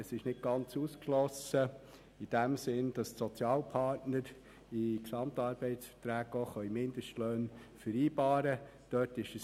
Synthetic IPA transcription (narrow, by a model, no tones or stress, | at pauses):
əsɪʃnɪt̚ɡ̥ɑnt͡suːskʃlɔsə | id̥ɛmsɪnd̥ɑstsɔt͡sjɑːlpʰɑɾtnəɾ | iksɑmtɑːɾb̥ɛɪtsfə̥tɾæːɡoːχœʏmɪnd̥̪əʃtløːn | fəɾiːbɑːɾəd̥œːtɪʃəs